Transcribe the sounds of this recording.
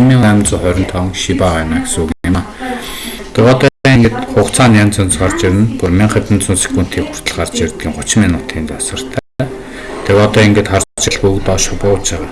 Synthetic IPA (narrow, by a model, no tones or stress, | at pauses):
miːŋæmt͡sʊːχœɾʲɪ̆n̥t̪ʰawə̆ŋʃipaːʁaːjʊnaːɡesuːɣɘ̆nɪmaː | t̪ʰekɔt̪ɔiŋɡĕt̪χʊχt͡sʰaːnjamʲt͡sʰœnt͡sɢart͡ɕiɾʲɘ̆npurmiːŋχet̪ɘ̆nt͡sʰʊnsĭ̥xkːun̥t̪ʰiːkxur̥t̪ʰə̆ɮɢart͡ɕirt̪̚ɡʲiːŋχʊt͡ɕɪ̆menʊːt̪ʰiːnt͡sasə̆r̥t̪ʰæː | t̪ʰekɔt̪ɔːiŋɡeːt̪χart͡ɕɪ̆ɮpukt̪ɔːʃʊpʊʊtt͡ɕʰæʁaː